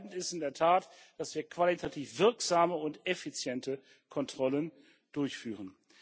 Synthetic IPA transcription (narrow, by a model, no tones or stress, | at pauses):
tn̩tɪstɪndeːɐtʰaːt | d̥asv̥iːɐkv̥alitʰatʰiːfv̥ɪɐkz̥aːməʊntɛfit͡sjɛntə | kʰɔntʁ̥ɔlən | d̥ʊɐçfyːʁ̞ən